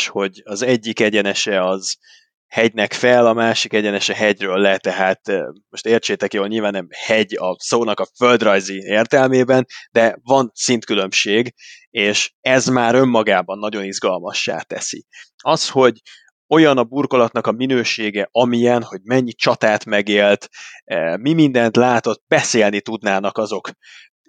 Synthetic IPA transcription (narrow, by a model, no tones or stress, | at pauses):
ʃho̞ɟɒzɛɟːikɛɟɛnɛʃɛɒz | hɛɟnɛkfɛlɒmaːʃikɛɟɛnɛʃɛɦɛɟrøːlːɛt̪ɛɦaːt̪mo̞ʃt̪eːrt͡ʃeːt̪ɛkjoːlɲilvaːnːɛmhɛɟɒsoːnɒkɒfø̞ld̪rɒjzieːrt̪ɛlmeːbɛnd̪ɛvɒnsint̪kylø̞mʃeːɡ | eːʃɛzmaːɾø̞mːɒɡaːbɒnːɒɟo̞nizɡɒlmɒʃːa̰ːt̪ɛ̰sḭ | ɒsho̞ɟ | o̞jɒnɒburko̞lɒt̪nɒkɒminøːʃeːɡɛʔɒmijɛnho̞ɟmɛɲːit͡ʃɒt̪aːt̪mɛɡeːlt̪ː | mimind̪ɛnt̪laːt̪o̞t̪ːbɛseːlnit̪ud̪naːnɒkɒzo̞k